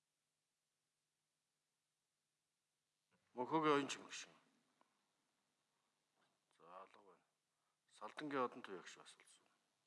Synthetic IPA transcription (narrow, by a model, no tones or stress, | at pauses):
mɵxoːɣiːɔjɞ̆nt͡ɕʰimɘ̆kʃɪ̆ŋ | t͡saːɮə̆qwæːn | saɮt̪ə̆ŋɡʲiːɔt̪ɞ̆nt̪ʰujakʃpasʊ̥ɮsə̆ŋ